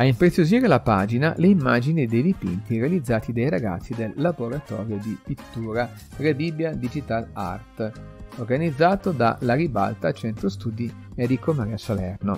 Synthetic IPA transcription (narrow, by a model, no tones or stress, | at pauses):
aimpɾet̪sːjoziːɾelapaːd͡ʒinaleimːaːd͡ʒinid̪ejd̪ipḭnt̪iɾealid̪zːaːt̪id̪ajɾaɡa̰t̪sːid̪elːaboɾat̪ɔ̰ːɾjod̪ipit̪ːuːɾa | ɾebibjad̪id͡ʒit̪ala̰rt̪orɡanid̪zːaːt̪od̪a̰laɾiba̰lt̪at͡ʃɛnt̪ost̪uːd̪i | ed̪ikomaɾiasolɛ̰rno